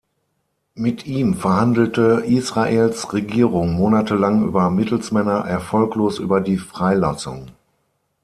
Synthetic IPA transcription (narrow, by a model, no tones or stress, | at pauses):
mɪtʰʔiːmfɛɐhandl̩təʔiːsʁ̥aʔeːlsʁeɡiːʁʊŋmoːnatʰəlaŋʔy̰ːbɐmɪtl̩smɛnɐʔɛɐfɔlkloːsʔy̰ːbɐdiːfʁ̥aɪlasʊ̰ŋ